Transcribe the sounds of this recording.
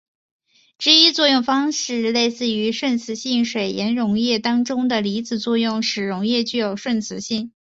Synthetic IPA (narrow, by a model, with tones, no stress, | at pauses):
ʈ͡ʂɻ̩˥i˥t͡swɔ˥˧jʊ˥˩ŋfɑ˥ŋʂɻ̩˥˧le˥˧ɪsɹ̩˥˩y˧˥ʂwə˥˩nt͡sʰɹ̩˧˥ɕi˥˩ŋʂwe˨˩ɪjɛ˧˥nɻʊ˧˥ŋjɛ˥˩t̪ɑ˥ŋʈ͡ʂʊ˥ŋd̪ə˨li˧˥t͡sɹ̩˨˩t͡swɔ˥˧jʊ˥˩ŋʂɻ̩˨˩ɻʊ˧˥ŋjɛ˥˧t͡ɕy˥˧jo˨˩ʊʂwə˥˩nt͡sʰɹ̩˧˥ɕi˥˩ŋ